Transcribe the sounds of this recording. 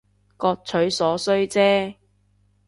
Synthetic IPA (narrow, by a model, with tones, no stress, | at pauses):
kɔː˧k̚t͡sʰɵ˨˥ɥsɔː˨˥sɵ˥ɥt͡sɛː˥